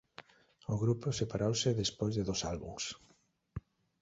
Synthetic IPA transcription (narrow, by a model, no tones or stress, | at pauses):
ʊɣɾupʊsepaɾowsɪðespojzðeðosalβṵŋs